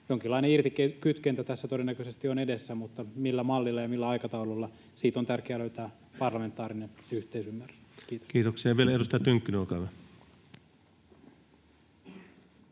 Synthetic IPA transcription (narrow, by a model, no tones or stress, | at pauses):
joŋkilːɑineirt̪ikekyt̪kent̪æt̪æsːæt̪oenːækøsest̪ionedesːæmut̪ːɑmilːæmɑlːilːɑjɑmilːæɑjkɑt̪ɑululːɑ | siːt̪ont̪ærkeæːløyt̪æː | pɑrlɑme̞nt̪ːˑɑːɾinenyht̪eisymːæryskiːt̪o̥skiːt̪oksiɑjɑʋielæedust̪ɑt̪yŋkːynokɑʋæ